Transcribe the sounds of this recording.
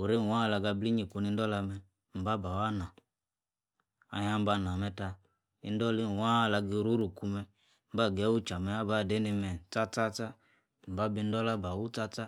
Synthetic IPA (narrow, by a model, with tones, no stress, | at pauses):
u˨ɾe˦˨wa˦˨la˧ɡa˧bli˦ɲi˨ku˧˦ni˧n˦dɔ˦la˧mɛ˧ | m̩˨ba˦ba˨wa˦na˨ | a̰˧ja˦m˦ba˧˦˨n˨a˨mɛ˧ta˧ | i˧n˦dɔ˦li˦˨wa˦˧˨la˧ɡi˧˦ɾu˦ɾu˨ku˧mɛ˧ | m̩˦ba˦˨ɡɛ˨˦wu˦t͡ʃa˨mɛ˧a˦ba˦˨de˦ni˧mɛ˨t͡sa˦t͡sa˦t͡sa˦ | m̩˨ba˦bi˧n̩˦dɔ˦la˦ba˨wu˦t͡sa˦t͡sa˦